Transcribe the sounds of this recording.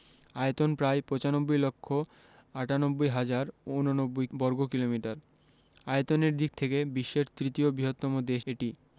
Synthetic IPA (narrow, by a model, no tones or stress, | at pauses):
ajet̪onpɾaepɔt͡ɕanobːojlokʰːo | aʈanobːojɦad͡ʑaɾunonobːojbɔɾɡokilomiʈaɾ | aet̪oneɾd̪ik̚ʰt̪ʰekebiʃːeɾt̪ɾit̪iobiɦot̪ːɔmod̪eʃeʈi